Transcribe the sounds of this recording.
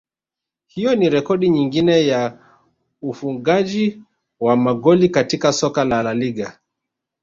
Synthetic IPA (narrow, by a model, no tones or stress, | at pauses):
hijɔniɾɛkɔɗiɲiŋɡinɛja | ufuŋɡaʄi | wamaɠɔlikatikasɔkalalaliɠa